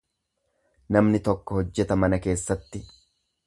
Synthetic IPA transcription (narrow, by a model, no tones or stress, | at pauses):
nɐmnɪt̪ɔkːɔhɔd͡ʒːɛt̪ɐmɐnɐke̞ːsːɐt̪ːɪ